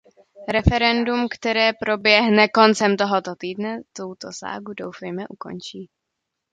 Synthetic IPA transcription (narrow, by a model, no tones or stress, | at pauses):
ɾɛfɛɾɛndumkt̪ɛɾɛːpɾo̞bjɛɦnɛko̞nt͡sɛmt̪oɦot̪ot̪iːdnɛt̪owt̪o̞sa̰ːɡudowfɛjmɛʔuko̞̰nt͡ʃiː